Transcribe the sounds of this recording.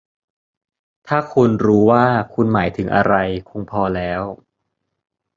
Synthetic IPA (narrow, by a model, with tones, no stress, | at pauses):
t̪ʰaː˥˩kʰu˧nɾuː˦˥waː˥˩kʰu˧nmaː˩˦jt̪ʰɯ˩˦ŋʔa̰˧ɾa˧jkʰu˧ŋpʰɔː˧lɛː˦˥w